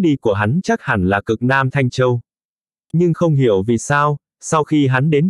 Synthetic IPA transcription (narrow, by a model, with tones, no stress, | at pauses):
ɗi˧ku˧˩əɦa˨˦nt͡ɕa˦˥k̚ha̰˧˩nlaː˨˩kɨ˨˩k̚naː˧mt̪ʰa˧jŋ̟t͡ɕə˧w | ɲɨ˧ŋxə˧wŋ͡mɦi˧˩əwvi˨˩saː˧w | sa˧wxi˧ɦa˨˦nɗe˨˦n